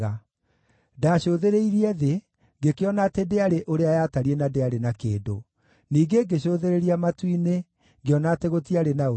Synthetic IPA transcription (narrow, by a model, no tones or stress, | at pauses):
a | daɕoːðeɾeiɾiɛðe | ŋɡekeɔnatedeaɾeʔoɾeajaːtaɾiɛnadeaɾenakḛːdo̰ | niːɡeŋɡeɕoðeɾeɾiamatwine | ŋɡeɔnateɣotiaɾenao